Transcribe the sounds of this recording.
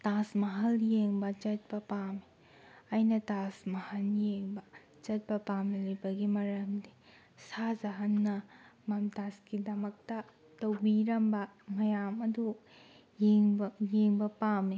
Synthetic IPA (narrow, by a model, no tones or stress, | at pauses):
tasmɐɦɐljeŋbɐd͡ʒɐt̚pɐpami | ɐjnɐtasmɐhɐljeŋbɐ | d͡ʒɐt̚pɐpamilɐjbɐɡimɐɾɐmdi | sazɐɦɐnːɐmɐmtaskidɐmɐk̚tɐ | tɐwbiɾɐmbɐmɐjamɐdu | jiŋjeŋbɐpami